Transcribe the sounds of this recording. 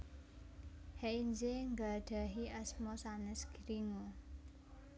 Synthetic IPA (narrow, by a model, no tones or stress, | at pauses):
heʔind͡ʒeŋɡaɖ̥a̤ɦiʔɛsmɔsanɛsɡ̥iɾiŋo